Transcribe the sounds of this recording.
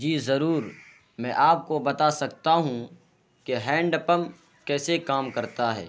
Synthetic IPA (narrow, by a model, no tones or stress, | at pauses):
d͡ʒiːzɐɾuːɾ | mɛ̃ʔaːp̚kobɐt̪asɐk̚t̪aɦũ | keɦɛ̃ːɳɖəpəm | kɛːsekaːmkɐɾt̪aɦɛ̰ː